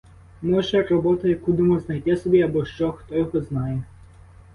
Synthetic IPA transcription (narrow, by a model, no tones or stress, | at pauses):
mɔʒɛrɔbɔt̪ɐjɐkud̪ɪmɔznɐjt̪ɪsɔbʲiɐbɔʃt͡ʃɔxt̪ɔjɔɦɔznɑjɛ